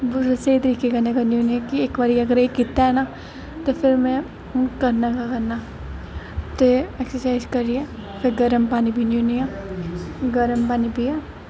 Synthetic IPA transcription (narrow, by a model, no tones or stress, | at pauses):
bʊd͡ʒɐseit̪̬ɐɾiːkekɐnekɐnjuːnijakieːkʋaɾiɐɡəɾekit̪ːaɦɛna | t̪opʰɪɾmɛ̃ | kɐɾnakakɐɾna | t̪oɛksəɾsaːɪzkɐɾiepʰɪɾɡɐɾəmpaːnibʱinjunija | ɡɐɾəmpaːnibʱiɛ